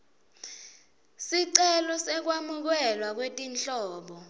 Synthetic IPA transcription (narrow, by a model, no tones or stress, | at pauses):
siǀɛlɔsɛk̬wamuk̬ɛlwak̬wetʼinɬʼɔːɓɔ